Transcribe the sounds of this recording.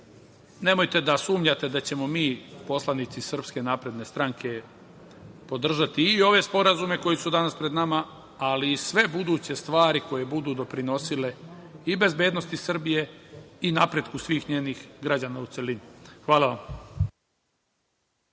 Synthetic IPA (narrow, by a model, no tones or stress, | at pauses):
ne̞mo̞jt̪e̞d̪asuːmʎat̪e̞d̪at͡ɕe̞mo̞miːpo̞slˠanit̪sisr̩pske̞naːpɾe̞d̪ne̞st̪ɾaŋkʰe̞ | po̞d̪r̩ʒat̪iːo̞ʋe̞spo̞ɾazume̞ko̞jisud̪anaspɾe̞d̪nama | aliːsʋe̞bud̪uːt͡ɕe̞st̪ʋaːɾiko̞je̞bud̪uːd̪o̞pɾino̞sile̞ibe̞zbe̞ːd̪no̞st̪isr̩bije̞inapɾe̞d̪kusʋiːxɲeːnixɡɾad͡ʑanaut̪se̞linixʋaːlaʋam